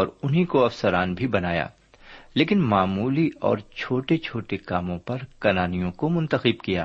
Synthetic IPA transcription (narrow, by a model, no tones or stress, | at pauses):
ɔːɾʊnɦikoɐfsəɾaːnbʱibɐnaːja̰ː | leːkɪnmaːmuːliɔ̰ːɾt͡ʃʰoːʈet͡ʃʰoːʈekaːmõpɐɾkɐnaːnijõkomʊ̃nt̪əxɪb̚kija̰ː